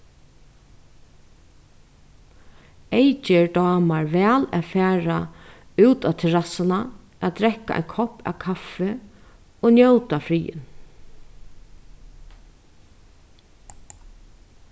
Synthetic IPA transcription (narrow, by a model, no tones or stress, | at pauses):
ejt͡ʃɪɹd̪ɑːmaɹʋɛːlaðfæːɹa | ʉːt̪at̪ʰɛɹasana | ʔad̪ɾɛkːaʔa̰jnkʰɔhpa̰ːkʰafɪ | onjowt̪afɾiːɪ̰n